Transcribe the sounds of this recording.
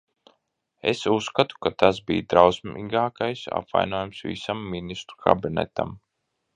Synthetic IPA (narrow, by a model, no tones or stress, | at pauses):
ḛsusːkat̪u̥kat̪asbḭːd̪ɾawsmiɡaːkajsa̰pva̰jnoːjamsvḭsamːinist̪ɾukʰa̰binɛ̰t̪a̰m